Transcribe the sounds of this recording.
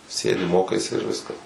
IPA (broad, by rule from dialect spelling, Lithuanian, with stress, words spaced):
ˈsʲeːdʲɪ ˈmoːkɐɪsʲɪ ɪr ˈʋʲɪskɐs